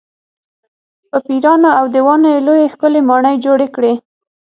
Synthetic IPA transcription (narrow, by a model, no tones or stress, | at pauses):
pəpiɾɑnoawd̪əwɑnojelojexkəlemɑɳəjd͡ʒoɽekɽe